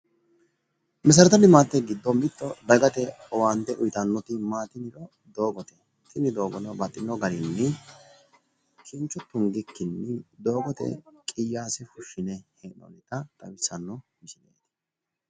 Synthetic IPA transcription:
mɛs̬ɐɾɐt̪ɐd̪ɪmaːt̪ːɛɡɪd̪ːɔmbɪt̪ːɔd̪ɐɡɐt̪ɛ | ɔwaːnt̪ɛʔʊjt̪ɐnːɔt̪ɪmaːt̪ɪnɪɾɔ | d̪o̞ːɡɔt̪ɛ | t̪ʰɪnɪd̪o̞ːɡɔnɔbɐt̪ʼːɪnːɔɡɐɾɪnːɪ | kʰɪnt͡ʃːʊt̪ːʊnɡɪkːɪnːɪd̪o̞ːɡɔt̪ɛ̰kʼɪjːaːsɪfʊʃːɪnɛhɛnɔ̰nɪt̪ɐt̪ʼɐwɪsɐnːɔht͡ʃɪnḛːt̪ɪ̥

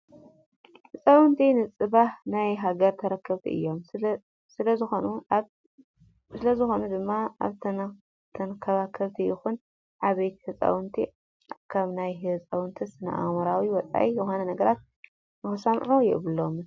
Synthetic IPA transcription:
hɨt͡sʼawɨnt̪ʰinɨt͡sʼɨβahnajɦaɡɐɾt̪ʰɐɾɐkʰːɐβt̪ʰḭʔɨ̰jːo̞m | sɨlɐzɨxonu | sɨlɐzɨxo̞nud̪ɨmːaa̰βt̪ʰ | t̪ʰɐnkʰːɐβakʰɐβt̪ʰijɪxun | ʕaβɐj̪hɨt͡sʼa̰wɨnt̪ʰi | kʰaβnajɦɨt͡sʼɐwɨnt̪ʰisɨnɐ̰ʔa̰ɣmɐɾawiwɔt͡sʼa̰ʔijɨxonɐnɐɡɐɾat̪̚ | nɨxɨsɐmʕujɛʔβɨlːom

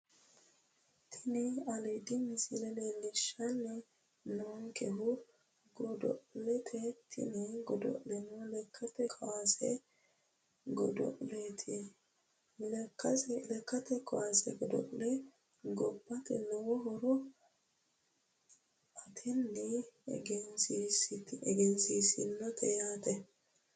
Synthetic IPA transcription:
t̪ʰɪnɛɐlɛd̪ɪmɪsɪlɛlelɪʃɐnːɛ | noŋkɛɦʊ | ɡɔd̪ɔ̰ʔlɛt̪ʰɛt̪ʰɪ̰nɛɡɔd̪ɔ̰ʔlɛnɔlɛkʰːɐt̪ɛkʰɐwasɛ̰ | ɡɔd̪ɔ̰ʔlet̪ʰɪ | lɛkːɐslɛkːɐt̪ɛkɐwasɛɡɔd̪ɔ̰ʔlɛ | ɡɔbːɐt̪ɛnɛwɔɦɔɾɔ | ʔɐt̪ʰɛnːɛɡɛnsisɪt̪ɛɡɛnsiːsɪnːɔt̪ʰɛjaːt̪ɛ

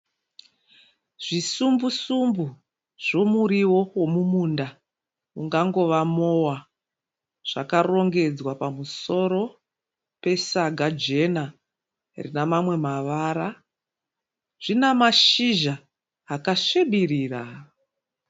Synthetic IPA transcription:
ʐ̥isumbusumbu | ʐ̥o̞muɾiwo̞wo̞mumunda | uŋɡaŋɡo̞ʋamowa | ʐ̥akaro̞ŋɡe̞d͡zwapamuso̞ɾo̞ | pe̞saɡʱad͡ʒe̞na | rḭnamamwe̞maʋaɾa | ʐ̥inamaʃiʒaː | kaʂeɓiriːra

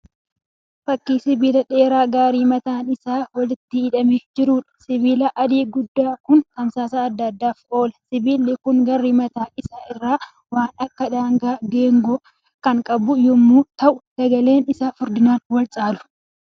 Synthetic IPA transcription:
fɐkːiːsɪbiːlɐᶑe̞ːɾaːɡaːɾiːmɐt̪aːnɪsaːwɐlɪt̪ːɪɪᶑɐmeːd͡ʒɪɾuːᶑɐ̥sɪbiːlɐʔɐd̪iːɡʊd̪ːaːkʊnt̪ɐmsaːsɐːd̪ːɐd̪ːaːfo̞ːlɐsɪbiːlːɪkʊŋɡɐrːiːmɐt̪aːʔɪsaːʔɪrːaː | waːnɐkːɐᶑaːŋɡaːɡeːŋɡɔ | kɐŋkʼɐbʊjɔmːuːt̪ɐʔʊsɐɡɐle̞ːnɪsaːfʊɾd̪ɪnaːnwɐlt͡ʃʼaːlʊ̥

